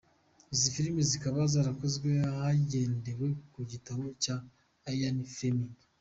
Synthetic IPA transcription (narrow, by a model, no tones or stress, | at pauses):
izifiɾimizikaβazaːɾakozɡweahaɟe̞ːnde̞we̞kuɟitaβocaː | janifemi